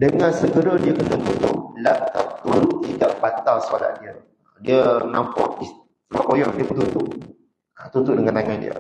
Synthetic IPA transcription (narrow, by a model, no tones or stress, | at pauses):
dəŋãnsəɡəɾadiəkənəmutʊ̰ʔla̰ʔt̪a̰ʔt̪uluʔt̪idaʔbat̪alsəala̰ʔ̪̚diə | ədiəna̰mpɔ̰ʔis | la̰kojɔ̰ŋdiəpət̪ut̪ʊʔ | at̪ut̪uʔdəŋãnt̪aŋandḭə̰